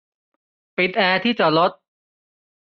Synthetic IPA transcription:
pi˨˩t̪̚ɛː˧t̪ʰiː˥˩t͡ɕa˨lo˦˥t̪̚

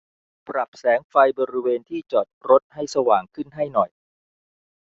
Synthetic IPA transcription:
pɾa˨˩p̚sɛː˩˦ŋfa˧jbɔː˧ɾi˦˥weː˧nt̪ʰiː˥˩t͡ɕɔː˨˩t̪̚ɾo˦˥t̪̚ha˥˩jsa˧waː˨˩ŋkʰɯ˥˩nɦa˥˩jnɔ˨˩j

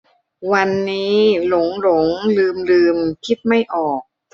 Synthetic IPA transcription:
wa˧nːiː˦˥lo˩˦ŋlo˩˦ŋlɯː˧mlɯː˧mkʰi˦˥t̪̚ma˥˩jʔɔː˨˩k̚

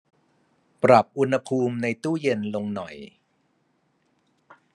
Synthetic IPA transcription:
pɾa˨˩p̚ʔu˧nha˧pʰuː˧mna˧jt̪uː˥˩je˧nlo˧ŋnɔ˨˩j

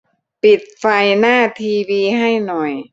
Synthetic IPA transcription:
pi˨˩t̪̚fa˧jnaː˥˩t̪ʰiː˧wiː˧ɦa˥˩jnɔ˨˩j

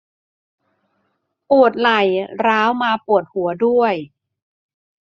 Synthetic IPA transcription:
pu˨˩ət̪̚la˨˩jɾaː˦˥wmaː˧pu˨˩ət̪̚hu˨˩˦ədu˥˩əj

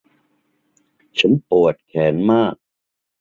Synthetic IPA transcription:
t͡ɕʰa˦˥npu˨˩ət̪̚kʰɛː˩˦nmaː˥˩k̚

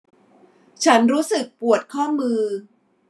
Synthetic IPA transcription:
t͡ɕʰa˦˥nɾuː˦˥sɯ˨˩k̚pu˨˩ət̪̚kʰɔː˥˩mɯː˧

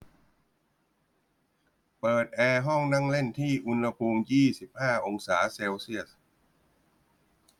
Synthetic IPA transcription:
pɤː˨˩t̪̚ʔɛː˧ɦɔ˥˩ŋna˥˩ŋle˥˩nt̪ʰiː˥˩ʔu˧nha˧pʰuː˧mjiː˥˩si˨˩p̚haː˥˩ʔo˧ŋsaː˩˦seː˧wsi˥˩əs

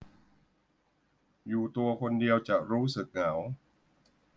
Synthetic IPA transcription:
juː˨˩t̪u˧ɐkʰo˧ndi˧əwt͡ɕa˨˩ɾuː˦˥sɯ˨˩k̚ŋa˩˦w

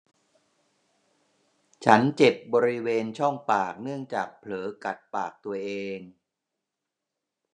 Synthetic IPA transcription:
t͡ɕʰa˦˥nt͡ɕe˨˩p̚bɔː˧ɾi˦˥weː˧nt͡ɕʰɔ˥˩ŋpaː˨˩k̚nɯ˥˩əŋt͡ɕaː˨˩k̚pʰlɤː˩˦ka˨˩t̪̚paː˨˩k̚t̪u˧ɐʔeː˧ŋ

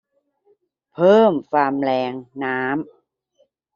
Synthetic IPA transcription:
pʰɤː˥˩mfaː˧mlɛː˧ŋnaː˦˥m

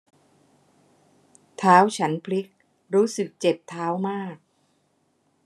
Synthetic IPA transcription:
t̪ʰaː˦˥wt͡ɕʰa˦˥npʰli˦˥k̚ | ɾuː˦˥sɯ˨˩k̚t͡ɕe˨˩p̚t̪ʰaː˦˥wmaː˥˩k̚

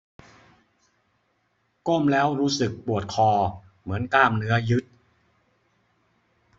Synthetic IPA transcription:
ko˥˩mlɛː˦˥wɾuː˦˥sɯ˨˩k̚pu˨˩ət̪̚kʰɔː˧ | mɯ˩˦ənkaː˧˩mnɯ˦˥ɐjɯ˦˥t̪̚

